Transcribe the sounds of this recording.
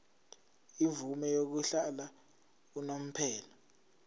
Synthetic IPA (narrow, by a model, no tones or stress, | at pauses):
ivumɛjok̬uɬala | unom̩pʰɛːla